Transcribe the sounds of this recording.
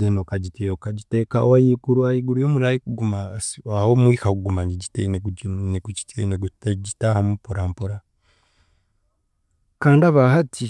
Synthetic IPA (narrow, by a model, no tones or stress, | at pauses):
enokaɟitiokaɟitekaowajikuɾuajiɡuɾujoːmuɾajikuɡumasahomwiːkakuɡumaniɟiteneneɡuci̥teneɡuɟitahamupoɾampoɾa | kaːndaβahatʰi